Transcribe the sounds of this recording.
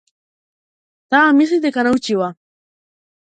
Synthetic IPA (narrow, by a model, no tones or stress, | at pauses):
t̪amis̬it̪ekanawt͡ʃiwa